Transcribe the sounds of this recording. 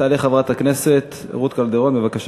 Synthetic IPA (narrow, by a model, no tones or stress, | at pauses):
aːliχavʁat̪akneset̪ʁut̪kald̪eʁonbevakaʃ